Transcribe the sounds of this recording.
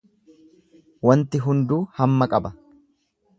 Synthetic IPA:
wɐnt̪ɪɦʊnd̪uːhɐmːɐkʼɐbɐ

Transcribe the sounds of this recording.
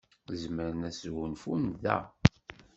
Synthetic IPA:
zməɾənæsɣʊnfunðæ̰

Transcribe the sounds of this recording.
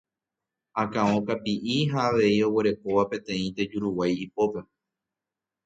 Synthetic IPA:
akãõ̞kapiʔiɦaːʋe̞io̞weɾe̞ko̞ʋapẽ̞t̪ẽ̞ĩt̪e̞d͡ʒuɾuwajipo̞pe̞

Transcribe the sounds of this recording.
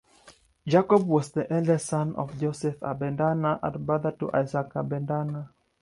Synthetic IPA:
d͡ʒakɔbwɔsðəʔɛlɛsãnɔ̰fd͡ʒosɛfa̰bɛ̃ndanaʔa̰tbaðətuʔa̰jzakabɛndana

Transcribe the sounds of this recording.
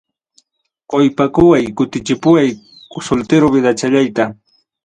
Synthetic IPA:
qojpakʊwajkʊt̪ɪt͡ʃɪpʊwaj | kʊsʊlt̪ɪɾʊbɪd̪at͡ʃaʎajt̪a

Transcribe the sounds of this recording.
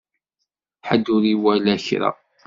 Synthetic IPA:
ħəd̪ːʊɾiwælæçɾɑ̰

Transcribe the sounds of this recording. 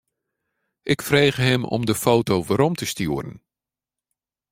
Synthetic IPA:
ʔɪkfreːɣəɦɪmɔ̰mdəfowtowʋəɾɔmtəstyərə̰n

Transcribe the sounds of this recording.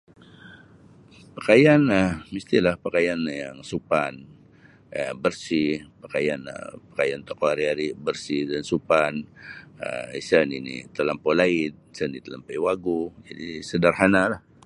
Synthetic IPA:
pakajanəmist̪ilahpakajanjaŋsupan | ə̰bərsipakajanə̰pḁkajant̪okoaɾiaɾibərsidansupanə̰isəninḭt̪əlampolaɪt̪̚sənit̪əlampajwaɡud͡ʒadisədarhanalah

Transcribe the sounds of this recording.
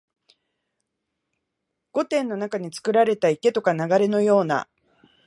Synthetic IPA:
ɡ̥o̞t̪ẽ̞nːo̞nakaɲ̟it͡sɨ̥kɯ̟ɾaɾe̞t̪aike̞t̪o̞kanaɡaɾe̞no̞jo̞ːna̰

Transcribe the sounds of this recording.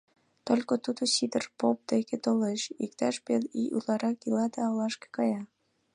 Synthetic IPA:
t̪olʲkot̪ud̪osid̪ərpop̚d̪eket̪oleʃḭkt̪ɑʃpeliʔṵlɑɾɑkilɑd̪ɑɑlɑʃke̥kɑjɑ

